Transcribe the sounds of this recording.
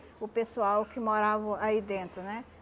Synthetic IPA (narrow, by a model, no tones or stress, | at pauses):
ʊpesuawkɪmoɾavɐaid̪ẽnt̪ɾʊnɛ